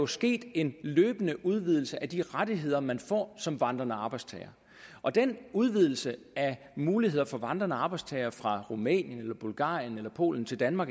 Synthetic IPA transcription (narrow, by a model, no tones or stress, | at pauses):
jo̝sɡ̥e̝̰ːd̥e̝nløːb̥ənəʔuð̞ˠʋið̞ˠl̩səʔæd̥iʁad̥iɦe̝ð̞̰ˠɐmænfɒ̰ːsɒ̽mʋɑ̈nd̥ʁɐnəɑ̈ːb̥ɑ̈ɪd̥st͡sʰɛɪɐ | ʔɒ̽d̥enuð̞ˠʋið̞̰ˠl̩sə | æ | muːlihe̝ð̞̰ˠɐfɒ̽ʋɑ̈nd̥ʁɐnəɑ̈ːb̥ɑ̈ɪdst͡sʰɛɪɐfʁɑ̈ʁumɛ̰ːnjənelɐb̥ulɡ̥ɑ̰̈ːjənelɐpʰo̝̰ːln̩t͡sʰe̝ld̥ænmɑ̈ːɡ